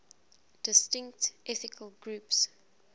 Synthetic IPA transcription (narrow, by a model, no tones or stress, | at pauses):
d̥ɪstɪ̃ŋktʔɛθɪkʰəlɡɹups